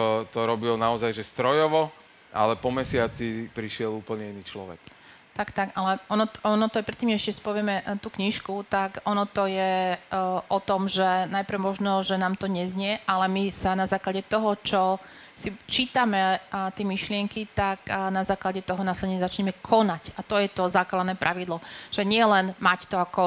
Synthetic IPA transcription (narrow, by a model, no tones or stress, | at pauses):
t̪ɔt̪ɔɾɔbilɔnaɔzajʒɛst̪ɾɔjɔʋɔ | ʔa̰lɛpɔmɛsɪat͡sipɾiʃɪɛluːpl̩ɲɛinit͡ʃlɔ̰ʋɛ̰k | t̪akt̪aɡalɛɔnɔɔnɔt̪ɔajpɾɛt̪ːiːmɛɛʃcɛsi̥pɔʋɪɛmɛt̪uːkɲiʃkut̪akɔnɔt̪ɔjɛ | ʔɔt̪ɔmʒɛnajpɾ̩ʊmɔʒnɔʒɛnaːmt̪ɔɲɛzɲɪɛʔalɛmisanazaːklaɟɛt̪ɔɦɔt͡ʃɔ | sit͡ʃiːt̪amɛt̪ɪɛmiʃlɪɛŋkit̪aknazaːklaɟɛt̪ɔɦɔnaːslɛɟɛɲɛzat͡ʃɲɛmɛkʰɔnacat̪ɔjɛt̪ɔzaːklad̪nɛːpɾʔaʋid̪lɔʒ̥ɛɲɪɛlɛnmact̪ɔakɔ